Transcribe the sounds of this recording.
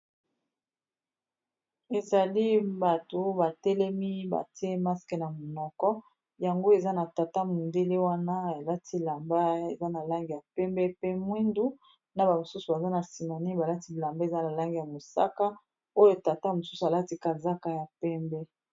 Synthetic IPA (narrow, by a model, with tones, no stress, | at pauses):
e˨za˨li˦ba˨to˨ba˨tɛ˦lɛ˦mi˦ba̰˨ti˦e˦ma˦skɛ˨na˨mo˨nɔ˨kɔ˦ | ja˨ŋɡo˦e˨za˦na˨ta˨ta˦mo˨nde˦le˦wa˦na˦a˨la˦tʰi˦la˨mba˦e˨za˦na˨la˦ŋɡi˨ja˨pɛ˦mbɛ˦pe˦mwi˦ndu˦ | na˨ba˨mo˨su˦su˨ba˨za˦na˨si˨ma˨ni˦ba˨la˦ti˦˨la˨mba˦e˨za˦na˨la˦ŋɡi˨ja˨mo˨sa̰˦ka˦ | o˦jo˦ta˨ta˦mo˨su˦su˨a˨la˦ti˦ka˨za˦ka˦ja˨pɛ˦mbɛ˦